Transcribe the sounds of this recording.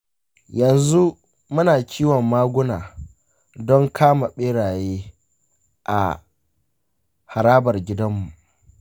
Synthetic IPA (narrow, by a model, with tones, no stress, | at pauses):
jɐ˨nzu˦ | mʊ˦naː˨kʲiː˦wɔ˨mːaː˦ɡʷʊ˦naː˨ | dɔ˦ŋkʰaː˦ma˨ɓeː˦ɽaː˨jeː˦ | ʔa̰˨ | ha˨ɾaː˦bɐ˨rɡʲɪ˦dɐ˦mːu˨ʔ